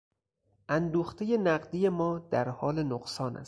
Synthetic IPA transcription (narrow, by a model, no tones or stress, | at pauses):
ʔænd̪uːxt̪ʰeje̞næɢd̪ije̞mɒːd̪̥æɾhɒːle̞noɢsɒːnʔæ̰st̪